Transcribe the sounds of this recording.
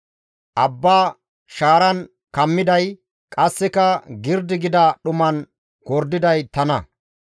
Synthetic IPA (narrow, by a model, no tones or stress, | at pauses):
ʔɐbːaː | ʃaːɾɐn | kɐmːɪd̪ɐj | kʼɐsːɛkɐɡɪɾd̪ɪɡɪd̪ɐɗʊmɐn | kɔɾd̪ɪd̪ɐjt̪ɐnɐ